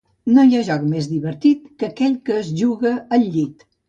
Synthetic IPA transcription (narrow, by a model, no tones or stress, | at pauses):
nojaʒɔkmezd̪iβəɾt̪it̪kəkɛʎkəːzʒuɣəːʎːʎit̪